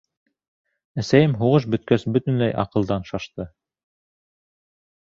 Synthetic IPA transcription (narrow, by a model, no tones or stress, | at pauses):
æsæjɘmɦuʁɤʃ̬bɵ̆t̪̚kæsbɵt̪ɵ̆nlæjʔɑ̰qɤ̆lˠd̪ɑnʃɑʃt̪ɤ